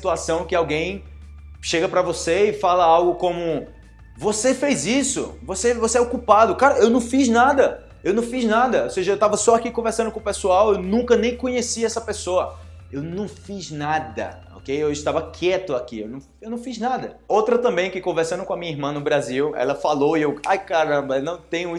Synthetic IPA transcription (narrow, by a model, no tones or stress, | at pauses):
si̥t̪uasɐ̃w̃kɪawɡẽj̃ | ʃeɡɐpɾɐvoseɪfalɐawɡʊkõmʊ | vosefejzisʊ̰vosevoseɛokupad̪ʊkaɾɐewnɐ̃w̃fiznad̪ɐ | ewnɐ̃w̃fiʒnad̪ɐoseʒɐewt̪avɐsɔakikõveɾsɐ̃d̪ʊkõpesuawewnũkɐnẽj̃kõɲesiɛsɐpesoɐ | ewnɐ̃w̃fiznad̪ɐ̰ | o̰kejewɪʃt̪avɐkʰɛt̪ʊakiḛwnɐ̃w̃ewnɐ̃w̃fiznad̪ɐ | owt̪ɾɐt̪ɐ̃mbẽj̃kɪkõveɾsɐ̃nʊkõɐmĩɲɐiɦmɐ̃nʊbɾaziwɛ̰lɐfaloiewajkaɾɐ̃bɐnɐ̃w̃t̪ẽj̃ʊ